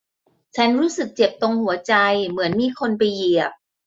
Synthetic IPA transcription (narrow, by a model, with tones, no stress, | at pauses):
t͡ɕʰa˦˥nɾuː˦˥sɯ˨˩k̚t͡ɕe˨˩p̚t̪o˧ŋhu˨˩˦ɐt͡ɕa˧jmɯ˩˦ənmiː˧kʰo˧npa˧jːi˨˩əp̚